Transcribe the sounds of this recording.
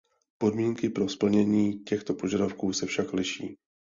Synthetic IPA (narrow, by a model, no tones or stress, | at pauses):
po̞dmiːŋkɪpɾo̞spl̩ɲɛɲiːcɛxt̪o̞po̞ʒadafkuːsɛfʃaklɪʃḭː